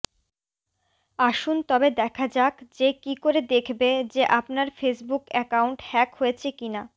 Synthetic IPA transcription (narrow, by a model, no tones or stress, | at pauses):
aʃunt̪ɔbed̪ɛkʰad͡ʑakd͡ʑekikoɾed̪ekʰbed͡ʑeʔapnaɾfesbukɛkawɳʈhɛkɦojet͡ɕʰekina